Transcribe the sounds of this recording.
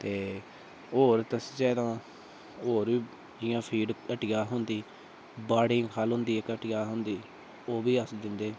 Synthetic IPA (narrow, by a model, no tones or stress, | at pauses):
t̪eː | oːɾt̪əst͡ʃɛːɾãː | oːɾiː | d͡ʒɪjãːpʰiːɖəʈɪjaːɦʊnd̪iː | baːɽɪ̃ːkʰaːlɦʊ̃nd̪iːekəʈɪjaːɦʊnd̪iː | oːbiːəsd͡ʒɪnd̪eː